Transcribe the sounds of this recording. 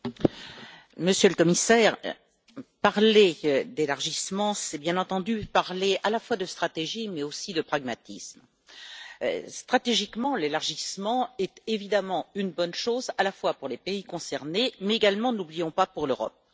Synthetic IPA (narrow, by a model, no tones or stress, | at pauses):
məsjøləkɔmisɛːʁ | paʁled̪elaʁʒismɑ̃sɛbjɛ̃nɑ̃t̪ɑ̃d̪ypaʁlealafwad̪əst̪χat̪eʒimɛosid̪əpχaɡmat̪ism | st̪χat̪eʒikmɑ̃lelaʁʒismɑ̃ɛt̪evid̪amɑ̃ynbɔnʃozalafwapuʁlepeikɔ̃sɛʁnemɛeɡalmɑ̃nublijɔ̃papuʁløʁɔ̰p̚